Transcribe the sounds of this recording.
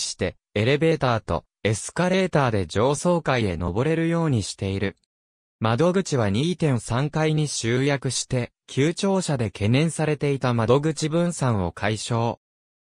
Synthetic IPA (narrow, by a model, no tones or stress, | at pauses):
ɕi̥t̪e̞ | e̞ɾe̞be̞ːt̪aːt̪o̞̰ | e̞sɨ̥kaɾe̞ːt̪aːd̪e̞d͡ʑo̞ːso̞ːkaie̞no̞̰bo̞ɾe̞ɾɯ̟jo̞ːɲ̟iɕi̥t̪e̞iɾɯ̟ | mad̪o̞ɡɯ̟t͡ɕiβ̞aɲ̟iːt̪ẽ̞ɰsãŋkaiɲ̟iɕɨːjakɯ̟ɕi̥t̪e̞ | kʲʰɨːt͡ɕo̞ːɕad̪e̞kʰe̞nẽ̞ɰ̃saɾe̞t̪e̞it̪amad̪o̞ɡɯ̟t͡ɕibɯ̟̃ñsãɰ̃o̞kʰaiɕo̞ː